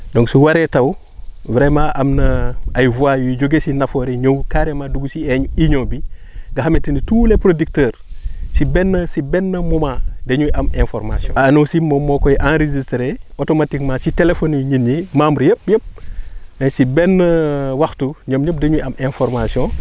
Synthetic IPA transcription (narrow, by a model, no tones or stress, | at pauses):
dɔ̃ŋksuwaɾɛtɐw | vɾɛmaʔɐmnɐɐjvuajujɟoɡesinɐfɔːɾeɲowkaɾemaduɡusiɛɲiɲobiɡɐhɐmitinituːlepɾodik̚təːɾsibɛnːəsibɛnːɐmumadeɲuʔɐmẽnfɔɾma̰siɔ̰̃ːnowsimomɔkɔjʔãnɾezistɾeotomatikmasitelefonɲinjimamuɾjəp̚jəp̚ɐsibɛnːəwɐxtuɲomɲop̚deɲujɐmẽnfɔɾmasiɔ̃